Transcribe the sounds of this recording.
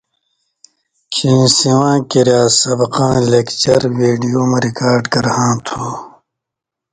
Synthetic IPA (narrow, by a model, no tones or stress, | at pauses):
kʰĩːsiwãːkiɾjaːsɐbɐqãːlekt͡ɕɐɾweːɖijoːmeɾikaːɾɖkɐɾhãːt̪ʰuː